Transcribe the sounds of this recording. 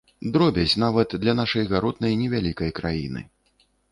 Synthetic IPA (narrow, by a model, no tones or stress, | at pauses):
d̪ɾɔbʲɐt͡sʲnavɐt̪d̪lʲɐnaʂɐjɣaɾɔd̪̚nɐjnʲɛvʲalʲikɐjkɾajḭnɨ̰